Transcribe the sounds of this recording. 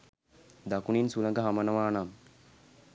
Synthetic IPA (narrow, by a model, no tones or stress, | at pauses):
d̪akuninsuləŋɡəɦamənəʋaːnam